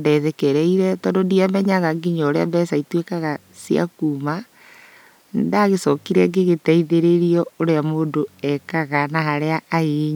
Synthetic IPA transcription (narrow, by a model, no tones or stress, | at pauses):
dɛðɛkɛɾɛiɾɛtɔdodiamɛɲaɣaɡiɲɔːɾeabɛːsaitwekaɣa | sia̰kuma | ndaɣesɔkiɾɛŋɡeɣetɛiðeɾeɾiɔoɾeamoːndoɛkaɣanaɦaɾeaʔːeɲ